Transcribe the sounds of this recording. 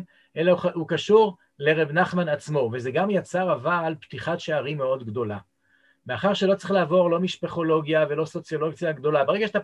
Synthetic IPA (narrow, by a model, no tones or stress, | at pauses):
elaukaʃuʁ | le̞ʁebnaχmanat͡smo̞vezeɡamjat͡saʁavaːlpt̪iχatʃeaʁimeo̞d̪ɡdo̞la | meaχaʁʃelo̞t͡sʁiχlaːvo̞ʁlo̞miʃpeχo̞lo̞ɡjave̞lo̞so̞t͡sjo̞lo̞ɡt͡sjaɡd̪o̞labeʁeɡaʃe̥a